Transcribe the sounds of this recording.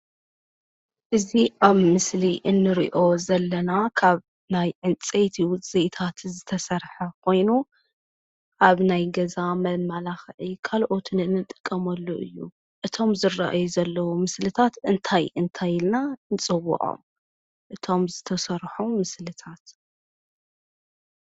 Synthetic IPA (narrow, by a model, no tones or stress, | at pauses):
ʔɨziʔaβːɨsliʔɨnːɨɾḭʔo̞zɐlːɐnakʰaβ | najʕɨnt͡sʼet̪ʰiz̥et̪ʰat̪zɨt̪ʰɐsɐɾħɐkʰo̞jnu | ʔaβnajɡɐzamɐlmalaxʕikʰalʔo̞t̪ʰɨnɨnːɨt̪ʼːɨ̥kʼːɐmɐlːuʔɨ̰jːṵ | ʔɨt̪ʰo̞mzɨra̰ʔa̰juzɐlːɐwumɨslɨt̪ʰat̪ɨnt̪ʰajɨnt̪ʰajɪlnanɨt͡sʼɨwːʊ̰ʔʼo̞̰m | ʔɨt̪ʰo̞mzɨt̪ʰɐsɐɾħumɨslɨt̪ʰat̪